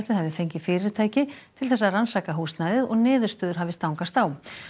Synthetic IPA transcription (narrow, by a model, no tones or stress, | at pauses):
t̪ɪðhɦavɪfejɲcɪfɪːɾɪɾt̪ʰaːjcɪt̪ʰɪlθɛsːaransaːkaɦuːst̪najðɪðɔɣnɪːðʏɾ̥st̪œːðʏɾ̥ɦavɪst̪awŋkast̪aw